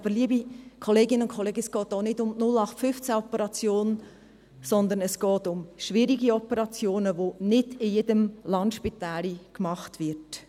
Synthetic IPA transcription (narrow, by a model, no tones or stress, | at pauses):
b̥əliəbikʰɔleːɡɪnəʊnkʰoleːɡəsɡ̥ɔːtoːnɪdʊmnʊlɑχtfʏft͡sæɔpəɾɑt͡sjoːn | sɔnd̪əɾnɛsɡ̥ɔːtʊmʃʋiːɾiɡiɔpəɾɑt͡sjoːnəʋonɪdɪjedəmlɑnt̪ʃpitaːlikmɑχtʋɪɾt